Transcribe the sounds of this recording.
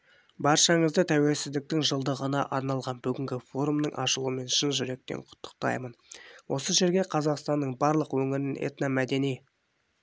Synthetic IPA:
bɑɾʃɑɴəzd̪ət̪ʰæwe̞lsɪzd̪ɪk̚t̪ɪŋʒəlˠd̪əʁənɑʔɑɾnɑlˠʁɑnbʏɡʲɪŋɡʲɪfo̞ɾumnəɴʔɑʃəlˠuəme̞nʃənʒʏɾe̞k̚t̪e̞̰ɴqʰʊ̥t̪ːə̥q̚t̪ɑ̰jmənwo̞səʒe̞ɾɡʲe̞qʰɑzɑqst̪ɑnːəɴbɑɾlˠəqwɵŋɪɾɪnḛt̪nɑmæd̪e̞nij

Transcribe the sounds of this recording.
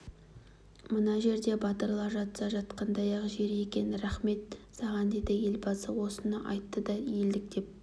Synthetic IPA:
mənɑʒe̞ɾd̪e̞bɑt̪əɾlˠɑɾʒɑt̪sɑʒɑt̪qɑnd̪ɑjɑʁəʒe̞ɾekʲe̞nɪɾæχme̞t̪sɑʁɑnd̪e̞d̪ɪje̞lbɑsəwo̞sənɑʔɑjt̪ːəd̪ɑjeld̪ɪk̚d̪e̞p̚

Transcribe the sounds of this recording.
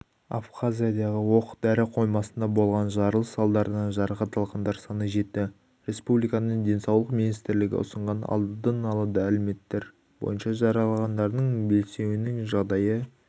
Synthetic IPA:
a̰fχazʲijad̪ɑʁəwo̞qə̥d̪æɾɪqʰo̞jmɑsənd̪ɑbo̞lˠʁɑnʒɑɾəlˠəsɑlˠd̪ɑɾənɑʒɑɾɑqɑt̪ɑlˠʁɑnd̪ɑɾsɑnəʒe̞t̪ːɪ | ɾe̞spublijkɑnəɴd̪e̞nsɑwlˠəqminijst̪ɾlɪɡʲɪ̰ʊ̰səɴʁɑnɑ̰lˠd̪əd̪ənɑlˠɑd̪ɑælɪme̞t̪ːeɾ | bo̞̰jənʃɑʒɑɾɑlˠɑʁɑnd̪ɑɾd̪əɴbe̞lse̞wɪnɪŋʒɑʁd̪ɑjə

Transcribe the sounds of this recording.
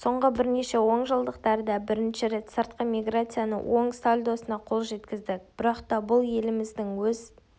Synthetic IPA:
so̞ɴʁəbɪɾne̞ʃe̞wo̞ɴʒəlˠd̪əqt̪ɑɾd̪ɑbɪɾɪnʃɪɾe̞t̪səɾt̪̚qəmʲiɡrat̪sɨjanə̰wʔo̞ɴst̪alʲd̪o̞sənɑqʰo̞lˠʒe̞t̪kʲɪzd̪ɪk̚b̥ɪɾɑqt̪ɑbʊlˠje̞lɪmɪzd̪ɪŋwɵz

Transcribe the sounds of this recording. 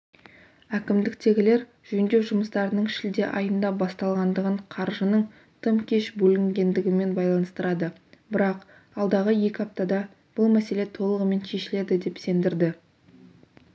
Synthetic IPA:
ækʲɪmd̪ɪkt̪e̞ɡʲɪle̞ɾ | ʒ̥ɵnd̪e̞wʒʊməst̪ɑɾənəɴʃɪld̪e̞ʔɑjənd̪ɑbɑst̪ɑlˠʁɑnd̪əʁəɴqʰɑɾʒənəɴ | t̪ʰəmkʲʰe̞ʃbɵlɪŋɡʲe̞nd̪ɪɡʲɪme̞nbɑjlˠɑnəst̪əɾɑd̪ə | bɪɾɑq | ɑlˠd̪ɑʁəje̞kʲɪɑp̚t̪ɑd̪ɑ | b̥ʊlˠmæse̞le̞t̪ʰo̞lˠəʁəme̞nʃe̞ʃɪle̞d̪ɪd̪e̞pse̞nd̪ɪɾd̪ɪ

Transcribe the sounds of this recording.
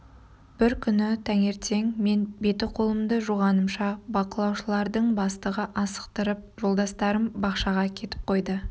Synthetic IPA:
b̥ɪɾkʲʰʏnɪt̪ʰæŋe̞ɾt̪e̞ŋme̞nbe̞t̪ɪqʰo̞lˠəmd̪əʒuʁɑnəmʃɑbɑqəlˠɑwʃəlˠɑɾd̪əɴbɑst̪əʁəʔɑsə̥qt̪əɾəp̚ʒo̞lˠd̪ɑst̪ɑɾəmbɑqʃɑʁɑkʲʰe̞t̪ɪ̥p̚qʰo̞jd̪ə

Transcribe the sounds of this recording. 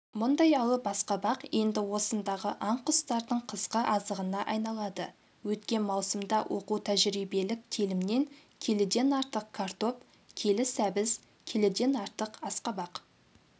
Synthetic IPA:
mʊnd̪ɑjɑlˠəpbɑsqɑbɑqje̞nd̪ɪwo̞sənd̪ɑʁəʔɑɴqʰʊst̪ɑɾd̪əɴqʰəzqəʔɑzəʁənɑʔɑjnɑlˠɑd̪ə | wɵt̪kʲe̞nmɑwsəmd̪ɑwʔo̞qut̪ʰæʒɾijbe̞lɪk̚t̪ʲʰelɪmne̞ŋkʲʰe̞lɪd̪e̞nɑɾt̪əq̚kʰart̪o̞p | kʲʰe̞lɪsæbɪz | kʲʰe̞lɪd̪e̞nɑɾt̪əqɑsqɑbɑq

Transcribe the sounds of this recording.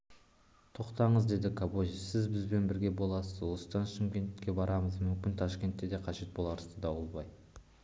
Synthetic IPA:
t̪ʰo̞qt̪ɑɴəzd̪e̞d̪ɪkʰaboʒisɪzbɪzbe̞nbɪɾɡʲe̞bo̞lˠɑsəzwo̞sə̥d̪ɑnʃɪmkʲe̞nt̪kʲe̞bɑɾʔɑməzmʏmkʲɪnt̪ʰɑʃkʲe̞nt̪ːe̞d̪e̞qʰɑʒe̞t̪̚bo̞lˠɑɾəzd̪əd̪ɑwəlˠbɑj

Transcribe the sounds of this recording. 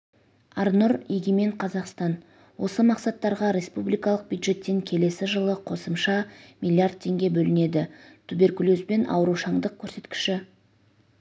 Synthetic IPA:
ɑɾnʊɾeɡʲime̞ɴqʰɑzɑqst̪ɑn | wo̞səmɑqsɑt̪ːɑɾʁɑɾe̞spublijkɑlˠəq̚bjud̪ʒe̞t̪ːe̞ŋkʲʰe̞le̞sɪʒəlˠəqʰo̞səmʃɑmilʲˠiard̪̚t̪ʰe̞ŋɡʲe̞bɵlɪne̞d̪ɪt̪ʰube̞ɾkʲulosbe̞nʔɑ̰wəɾuʃɑɴd̪əq̚kʲʰɵɾse̞t̪kʲɪ̥ʃɪ

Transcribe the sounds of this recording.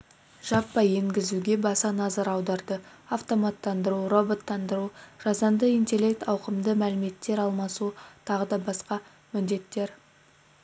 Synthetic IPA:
ʒ̥ɑpːɑje̞ŋɡʲɪzuɡʲe̞bɑsɑnɑzɑɾɑwd̪ɑɾd̪ə | aft̪o̞mɑt̪ːɑnd̪əɾuro̞bo̞t̪ːɑnd̪əɾuʒ̥ɑzɑnd̪əijnt̪e̞lʲːe̞k̚t̪ɑwqəmd̪əmælɪme̞t̪ːe̞ɾɑlˠmɑsut̪ʰɑʁəd̪ɑbɑsqɑ | mɪnd̪e̞t̪ːe̞ɾ

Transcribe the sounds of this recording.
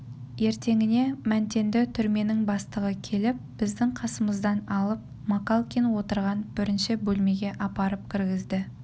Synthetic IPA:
je̞ɾt̪e̞ŋɪne̞mænt̪e̞nd̪ɪt̪ʰʏɾme̞nɪŋbɑst̪əʁəkʲʰe̞lɪp̚b̥ɪzd̪ɪŋqʰɑsəməzd̪ɑnɑlˠəp̚ | makalˠkʲinwo̞t̪əɾʁɑnb̥ɪɾɪnʃɪbɵlme̞ɡʲe̞ʔɑpɑɾəp̚kʲʰɪɾɡʲɪzd̪ɪ

